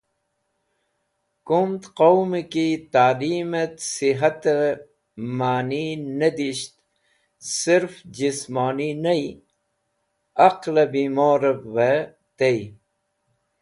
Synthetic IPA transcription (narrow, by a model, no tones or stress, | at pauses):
kumt̪qowmekit̪aːliːmet̪siɦɐt̪e | maːninɐd̪iɕt̪ | siɾfd͡ʑismaːninɐi | ɐqlɐbimoːɾebʋe | t̪ej